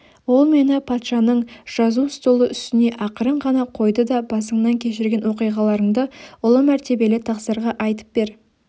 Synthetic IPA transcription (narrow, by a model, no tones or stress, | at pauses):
wo̞lˠme̞nɪpʰɑt̪ʃɑnəɴʒ̥ɑzust̪olˠəʏst̪ɪne̞ʔɑqəɾəɴʁɑnɑqʰo̞jd̪əd̪ɑbɑsəɴnɑŋkʲʰe̞ʃɪɾɡʲe̞nwo̞qijʁɑlˠɑɾəɴd̪əʊlˠəmæɾt̪e̞be̞lɪt̪ʰɑqsəɾʁɑʔɑjt̪ə̥p̚be̞ɾ